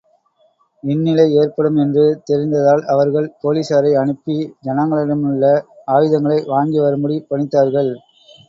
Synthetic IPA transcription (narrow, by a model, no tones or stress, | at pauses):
ʋɪnːɪlɐɪeːɾpɐɽɯmɛndrɯt̪ɛɾɪnd̪ɐðaːlɐʋɐɾɣɐɭpoːliːsaːɾɐɪɐɳɯpːid͡ʒɐnɐŋɡɐɭɪɽɐmɯɭːɐaːʋɪðɐŋɡɐɭɐɪʋaːŋɡiʋɐɾɯmbɐɽipɐɳɪt̪ːaːɾɣɐɭ